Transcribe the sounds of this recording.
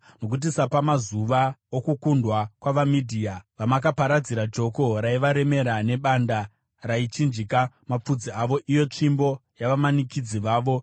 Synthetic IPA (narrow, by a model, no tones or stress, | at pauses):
no̞kut̬isapamazuʋaokukundwakwaʋamidʱiːaʋamak̬apaɾad͡ziɾad͡ʒo̞ko̞ɾaiʋaɾe̞me̞ɾane̞ɓanda | rait͡ʃind͡ʒikamap͡fud͡ziaʋo̞ʔijo̞t͡ʃimbo̞jaʋamanikid͡ziʋaːʋo̞